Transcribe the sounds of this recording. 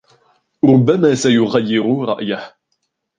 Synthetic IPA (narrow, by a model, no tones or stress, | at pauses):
ɾʊbːamaːsajʊɣajːɪɾʊɾˤɑ̰ʔjah